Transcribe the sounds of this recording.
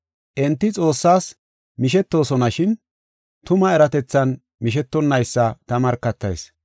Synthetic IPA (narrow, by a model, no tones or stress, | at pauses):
ʔɪnt̪ːɪt͡sʼo̞ːsːaːs | mɪʃɛt̪ːo̞ːsɔnɐʃɪn | t̪ʊmɐɛɾɐt̪ɛt͡sːɐn | mɪʃ̬ɛt̪ːɔnːɐjsːɐt̪ɐmɐɾkːɐt̪ːɐ̰js